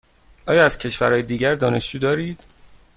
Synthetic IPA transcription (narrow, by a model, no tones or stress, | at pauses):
ʔɒːjɒːæz̥cʰe̞ʃvæɾɒːjed̪iːɟæɾd̪ɒːne̞ʃd͡ʒuːd̪ɒːɾiːd̪̥